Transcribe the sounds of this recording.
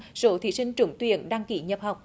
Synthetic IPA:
z̥o̰˧˨˦t̪ʰḭ˧˦sï˧ŋ̟t͡ɕʊ̰˧˦ŋ͡mt̪wḭ˧˨ənɗaː˧ŋki˧˩˦ɲə˨˩p̚ha˨˩wk͡p̚

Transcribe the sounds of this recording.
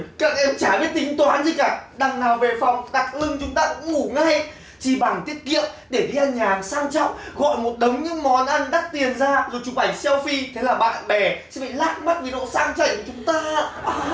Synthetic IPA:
ka̰ː˧˩nʔɛ˧mt͡ɕaː˧˩ɓi˦˥ət̚t̪ï˨˦ŋ̟t̪waː˨˦nzi˧kaː˧˩ɗa˨˩ŋnaː˨˩wve˨˩fɔ˨˩wŋ͡mɗa˨˩k̚lɨ˧ŋt͡ɕʊ˨˦ŋ͡mt̪aː˧kʊ̰˧˥ŋ͡mŋu˧˩ŋa˧j | t͡ɕi˨˧˩ɓa˨˩ŋt̪i˦˥ət̚kḭ˧˨əmɗe˧˩ɗi˧ʔaː˧nɲaː˨˩ŋsaː˧ŋt͡ɕɔ̰˧˨wŋ͡mɣɔ̰˧˨jmo˨˩t̚ɗə˨˦wŋ͡mɲɨ̰˧˥ŋmɔ˨˩nʔa˧nɗa˦˥k̚t̪i˨˩ənzaː˧zo˨˩jt͡ɕʊ˨˦ɓa˧˩jsɛ˧wfi˧t̪ʰe˨˦laː˨˩ɓa̰ː˧˨nɓɛ˨˩sɛ̰˧˥vḭ˧˨laː˦˥t̚ma˦˥t̚vi˨˦no̰˧˨saː˧ŋt͡ɕa̰˧˩ŋkt͡ɕʊ˨˦ŋ͡mt̪aː˧

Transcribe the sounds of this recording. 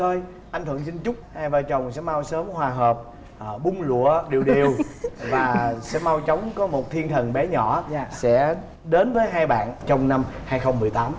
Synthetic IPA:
t̪o˧j | ʔa˧jŋ̟t̪ʰɨ̰˧˨əŋsï˧ŋ̟t͡ɕʊ˦˥k͡p̚haː˧jvaː˨˩t͡ɕə˨˩wŋ͡msɛ̰˧˥ma˧wsəː˨˦mhwaː˨˩ɦəː˨˩p̚ː | ɓʊ˧ŋ͡mlṵ˧˨əɗi˨˩əwɗi˨˩əwvaː˨˩˨sɛ̰˧˥ma˧wt͡ɕə˨˦wŋ͡mkɔ˨˦mo˨˩t̚t̪ʰi˧ənt̪ʰə˨˩nɓɛ˨˦ɲɔ˧˩˨sɛ̰˧˥ | ɗe˨˦nvəː˨˦jɦaː˧jɓa̰ː˧˨nt͡ɕɔ˧wŋ͡mna˧mhaː˧jxə˧wŋ͡mmːɨ˨˩jt̪aː˨˦m

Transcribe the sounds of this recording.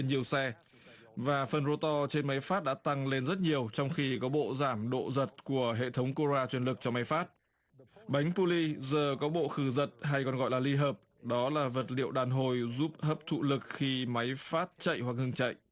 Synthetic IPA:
nɲi˨˩əwsɛ˧ | vaː˨˩fə˨˩nzo˧t̪ɔ˧t͡ɕe˧nma˨˦jfaː˦˥t̚ɗa̰ː˧˥t̪a˧ŋle˧nzə˦˥t̚ɲi˨˩əwt͡ɕɔ˧wŋ͡mxi˧kɔ˨˦ɓo̰˧˨zaː˧˩mɗo̰˧˨zə˨˩t̚ku˧˩əɦḛ˧˨t̪ʰə˨˦wŋ͡mko˧zaː˧t͡ɕwi˧˩ənlɨ˨˩k̚t͡ɕɔ˧ma˨˦jfaː˦˥t̚ | ɓa˨˦jŋ̟pu˧li˧zəː˨˩kɔ˨˦ɓo̰˧˨xɨ˧˩zə˨˩t̚ɦa˧jkɔ˨˩nɣɔ̰˧˨jlaː˨˩li˧ɦəː˨˩p̚ | ɗɔ˨˦laː˨˩və˨˩t̚lḭ˧˨əwɗaː˨˩nɦo˨˩jzu˦˥p̚həː˦˥p̚t̪ʰṵ˧˨lɨ˨˩k̚xi˧ma˨˦jfaː˦˥t̚t͡ɕə̰˧˨jhwa˨˩k̚hɨ˧əŋt͡ɕə̰˧˨jʔ

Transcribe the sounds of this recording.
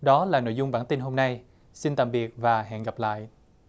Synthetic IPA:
ɗɔ˨˦laː˨˩no̰˧˨jzʊ˧ŋ͡mɓaː˧˩nt̪i˧nɦo˧mna˧j | si˧nt̪a̰ː˧˨mɓi˨˩ət̚vaː˨˩ɦɛ̰ː˧˨nɣa˨˩p̚la̰ː˧˨jʔ

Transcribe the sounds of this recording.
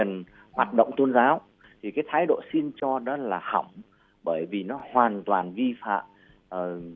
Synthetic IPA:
ə˨˩n | hwaː˨˩t̚ɗə̰˧˨wŋ͡mt̪o˧nzaː˨˦w | t̪ʰi˨˩kaː˨˦jt̪ʰaː˨˦jɗo̰˧˨si˧nt͡ɕɔ˧ɗɔ˨˦˥laː˨˩hə˧˩wŋ͡m | ɓəː˧˩jvi˨˩nɔ˨˦hwaː˨˩nt̪waː˨˩nvi˧fa̰ː˧˨mː˨˩

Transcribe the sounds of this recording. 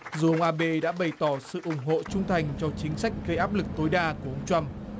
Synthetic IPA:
zu˨˩ʔə˧wŋ͡mʔaː˧ɓe˧ɗa̰ː˧˥ɓə˨˩jt̪ɔ˧˩sɨ̰˧˨ʔʊ˧˩ŋ͡mɦo̰˧˨t͡ɕʊ˧ŋ͡mt̪ʰa˨˩jŋ̟t͡ɕɔ˧t͡ɕï˨˦ŋ̟sa˦˥jk̟̚ɣə˧jʔaː˦˥p̚lɨ˨˩k̚t̪o˨˦jɗaː˧ku˨˩əʔə˧ŋ͡mt͡ɕwa˧m

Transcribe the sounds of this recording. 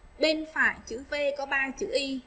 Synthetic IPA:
ɓe˧nfaː˧˩˨jt͡ɕɨ̰˧˥ve˧kɔ˨˦ɓaː˧t͡ɕɨ̰˧˥ʔi˧

